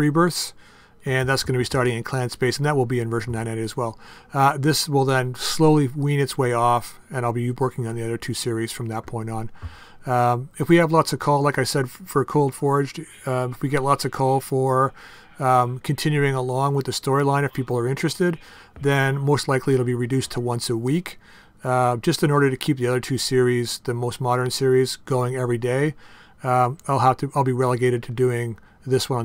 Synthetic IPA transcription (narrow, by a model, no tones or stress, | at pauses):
ibɜ˞θs | ɨ̃nðætsɡ̥ʌnɨbistɑɹɾɪ̃ŋɨ̃nkʰl̥æ̃nspeɪsn̩ðɨt̚wəlˠbiɨ̃nvɜ˞ʒn̩ːãɪ̃naɪɾɨzwɛlˠðɪswɪlˠðə̃nsloʊlˠiwĩnɨtsweɪɔf | ɨ̃naɪlˠbiwɜ˞kɪ̃ŋɨ̃nðiʌðə˞tʰʉsɪɹiz̥fɹʌ̃mðɨt̚pʰɔ̃ɪ̃ntn̩ | ɨfwiɨvlɔtsʌv̥kʰɔlˠlaɪkaɪsɛd̥fə˞kʰoʊlˠd̥fɔɹɨd͡ʒ | ɨfwiɡɛtˡlɑtsʌv̥kʰɔlˠfə˞ | kʰɨ̃n̩tʰɪ̃njʉɪ̃ŋəlɔ̃ŋwəðɨstɔɹilãɪ̃ñɨfpʰipl̩ˠə˞ɪ̃nt͡ʃɹ̥ɨstɪd̪̚ | ðɨ̃nmoʊstˡlaɪkliɨɾl̩ˠbiɹɨdʉstʰəwʌ̃nsəwik | d͡ʒʌstɨ̃nɔɹɾə˞ɾɨkʰip̚ðiʌðə˞tʰʉsɪɹizðɨmoʊst̚mɑɾə̃˞nsɪɹizɡ̥oʊɪ̃ŋɛvɹideɪ | aɪlˠɦæftʰɨaɪlˠbiɹɛlˠəɡeɪɾɨd̚tʰɨdʉɪ̃ŋ | ðɪswʌ̃ñ